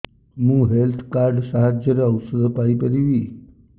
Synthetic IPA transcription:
mũɦelt̪ʰkaɾɖsaɦad͡ʒəɾaəwsəd̪ʱpaipəɾiʋi

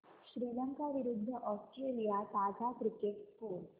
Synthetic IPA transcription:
ʃɾiːləŋkaʋiɾud̪ʱːəʔɔsʈɾeːlijat̪aːd͡ʒakɾikeʈskuːl

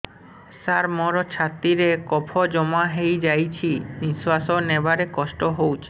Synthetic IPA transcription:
saɾmɔɾot͡ɕʰat̪ːiɾekɔpʰod͡ʑɔmaɦejd͡ʑajt͡ɕʰiniswasonebaɾekɔʃʈoɦowt͡ɕʰe

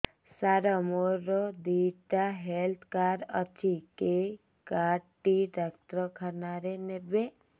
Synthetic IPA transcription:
saɾəmoɾod̪iʈaɦelt̪ʰkaːɾə̰t͡ʃʰike | kaʈiɖək̚t̪ɾəkʰənaɾenebe

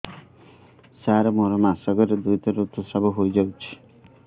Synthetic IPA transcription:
saɾemoɾɔmasaɡɔɾed̪ujt̪ɔɾot̪usabɔɦojd͡ʒawt͡ʃʰi̥

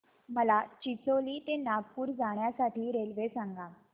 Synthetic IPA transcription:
məlat͡ɕit͡soliːt̪enab̚puːɾd͡zaɳjasaʈiːɾelʋesãŋɡa

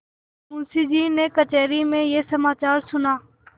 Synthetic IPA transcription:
mũːsiːd͡ʒiːneːkət͡ʃɛːɾiːmẽːjeːsəmaːt͡ʃaːɾsʊnaː

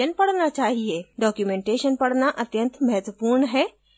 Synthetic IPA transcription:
ənpɐɽnat͡ʃaːɦijeɖɔːkjumẽɳʈeʃənpɐɽnaʔət̪jə̃nt̪mɛɦɛt̪wəpuːɾɳɦɛː

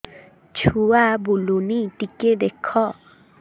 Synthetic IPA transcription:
t͡ʃʰuabulunit̪iked̪ekʰːɔ

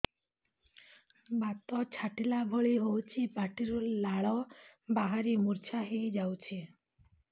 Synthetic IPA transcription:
bat̪ɔt͡ʃʰaʈilabʱɔɭiɦowt͡ʃʰipaʈiɾulaɭɔbaɦaɾimuɾt͡ʃʰaɦejd͡ʒawt͡ʃʰi

